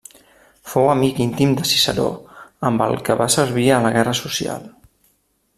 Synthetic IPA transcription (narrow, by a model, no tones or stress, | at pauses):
fowəmikint̪imd̪əsi̥sə̰ɾo̰əmbə̰lˠkəβasəɾβiələɣɛrəsusia̰lˠ